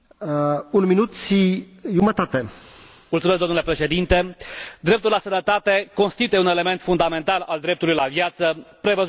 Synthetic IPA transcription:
unminut̪ʃiʒumət̪at̪e | mult̪sumesk̚d̪omnule̞pɾe̞ʃe̞d̪int̪e̞d̪ɾe̞p̚t̪ulasənət̪at̪e̞ko̞nst̪it̪uje̞une̞le̞me̞nt̪fund̪ame̞nt̪ala̰ld̪ɾe̞p̚t̪ulujlavjat̪səpɾe̞vəz

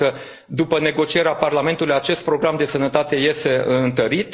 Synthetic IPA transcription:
ə | d̪upəne̞ɡo̞t͡ʃie̞ɾeaparlame̞nt̪ulujat͡ʃe̞st̪̚pɾo̞ɡɾamd̪e̞sənət̪at̪e̞je̞st̪e̞ɨɨnt̪əɾit̪

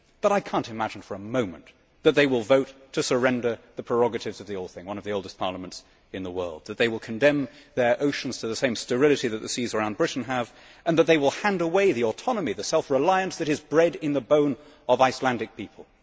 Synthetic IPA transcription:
b̥ʌɾaɪkʰæ̃ntɨmæd͡ʒn̩fə˞əmõʊ̃mɨ̰̃n | ðɨt̪̚ðeɪwɪlˠvoʊtʰɨsə˞ɛ̃ndə˞ðɨpʰɹ̥ə˞ɑɡɨɾɨvzʌvðioʊlˠd̥̪̚θɪ̃ŋwʌ̃nʌvðioʊlˠdəɨspʰɑɹlˠəmə̃nts | ɨ̃nðəwɜ̰˞lˠd̪̚ðɨt̪̚ðeɪwəlˠkʰɨ̃ndɛ̃mðə˞ʔoʊʃn̩z̥tʰɨðɨsẽɪ̃mstə˞ɪlˠɨɾiðɨt̪̚ðɨsizə˞ãʊ̃nbɹɪʔn̩əv | ɨ̃nðət̪̚ðeɪwəlˠhæ̃ndəweɪðiətʰɑnəmiðɨsɛlˠfɹəlaɪɨ̃nsðɨɾɨzbɹɛɾɪ̃nðəbõʊ̃n | ʌvaɪslæ̃ndɨk̚pʰipʰəl̩ˠ

